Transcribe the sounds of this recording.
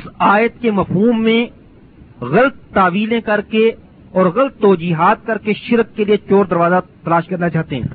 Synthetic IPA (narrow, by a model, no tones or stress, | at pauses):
ɪsaːjət̪kemɐfɦuːmːẽ | ɣɐlt̪ːaːʋiːlẽkɐɾke | ɔːɾɣɐlət̪ːɔːd͡ʒiːɦaːt̪̚kɐɾkeʃɪɾkːeliet͡ʃɔːɾd̪ɐɾʋaːzat̪ɐlaːʃkɐɾnat͡ʃaːɦt̪eɦɛ̰̃ː